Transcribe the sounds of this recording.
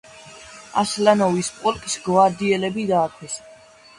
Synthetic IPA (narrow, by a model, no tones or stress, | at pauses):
a̰slanɔvispʼɔlkʼsɡvaɾd̪iɛlɛbid̪aːkʰwɛs